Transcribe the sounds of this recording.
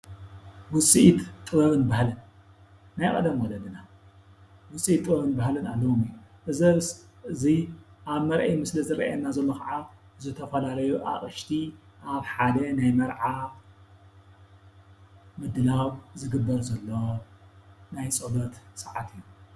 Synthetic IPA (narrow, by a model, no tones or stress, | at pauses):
wʊsʼiʔit̪t̪ʼɨβɐβɨnbahlɨnː | ajkʼɐ̰d̪ɐmwɔlɐd̪ɨna | wʊsʼiit̪ʼːɨβɐβɨnbahlɨna̰lːɐwumɨjːuʔɨzɐβsɨziʔaβmɐɾʔɐjmɨslɐzɨɾɐ̰ʔanːazɐlːoxʰɐʕazɨt̪ʰɐfɐlalɐjuʔa̰χʼɨʃt̪ʰiʔaβħad̪ɐnajmɐɾʕa | mɨd̪ːɨlawzɨɡɨbːɐɾzɐlːo̞ | najsʼɐbɐt̪sʼɐʕa̰t̪ʰɨjːu